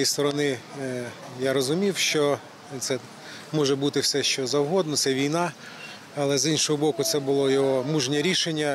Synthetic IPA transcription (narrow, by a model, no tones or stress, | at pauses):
ist̪ɔɾɔnɪ | jaɾɔzʊmʲiwʃt͡ʃɔ | t̪sɛ | mɔʒɛbut̪ɪwsɛʃt͡ʃɔzɐwɦɔd̪nɔt̪sɛʋʲijnɑ | ɐlˠɛzinʃɔɦɔbɔkʊt̪sɛbʊlˠɔjɔɦɔmuʒnʲɛɾʲiʃenʲːɐ